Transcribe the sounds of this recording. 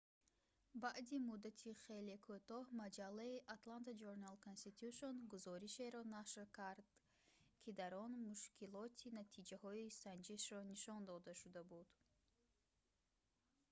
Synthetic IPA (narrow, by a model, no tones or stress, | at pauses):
baʔd̪imud̪at̪ʰiχe̞lekʰut̪ɔhmad͡ʒalːaiʔat̪lant̪ad͡ʒoɾnalkʰonst̪it̪ʰuʃonɡuzɔɾiʃe̞ɾɔnaʃɾkʰaɾd̪ | kʰid̪aɾɔnmuʃkʰilɔt̪ʰinat̪ʰid͡ʒahɔisand͡ʒiʃɾɔniʃɔnd̪ɔd̪aʃud̪abud̪